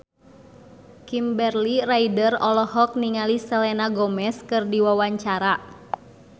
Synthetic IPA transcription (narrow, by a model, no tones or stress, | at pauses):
kimbɛrliraidərɔlɔhɔk̚niŋalisəlɛnaɡɔmɛskɨrdiwawaɲt͡ʃaɾa